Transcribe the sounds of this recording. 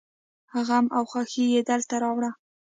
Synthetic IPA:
haɣamʔawxɑxijed̪alt̪aɾɑwɽa

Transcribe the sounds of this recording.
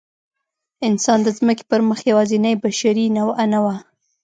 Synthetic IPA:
ɪnsɑnd̪əzməke̥pəɾməxjawɑzinajbaʃaɾinawanawa

